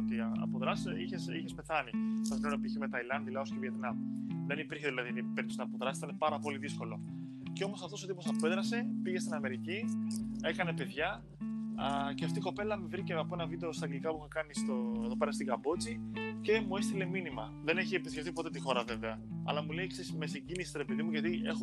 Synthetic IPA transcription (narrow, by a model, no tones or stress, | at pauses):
ot̪iɐɐ̰poðɾɐsiçesḭçespe̞θɐnit̪ɐsnoɾopiçime̞t̪ɐilɐnðilɐosceviet̪nɐmðe̞nipiɾçeðilɐðinipeɾit̪osinɐpoðɾɐssit̪ɐnepɐɾɐpo̞liðisko̞lo̞ | ceo̞mo̞sɐft̪ooðipo̞sɐpoe̞ðɾɐse̞piʝe̞st̪inɐme̞ɾicie̞kɐne̞pe̞ðʝɐ | ceɐft̪iko̞pe̞lɐmevɾiceɐpo̞e̞nɐvid̪e̞ost̪ɐɡlikɐpuiçɐkɐnist̪oeðo̞pe̞ɾɐst̪iɡɐbo̞t͡sice̞mue̞st̪ile̞minimɐ | ðe̞neçiepiskeft̪ipo̞t̪e̞t̪ixo̞ɾɐve̞ve̞ɐɐ̰lɐmulejksesmesiɟinisi̥st̪ɾepiðimuʝɐt̪ie̞xo